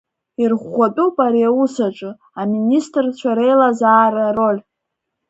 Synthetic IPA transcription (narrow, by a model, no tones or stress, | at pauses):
irʁʷatʼupʼaɾiausaʈ͡ʂʼɨ | aministʼrt͡ɕʷʰaɾejlazaːrarolʲ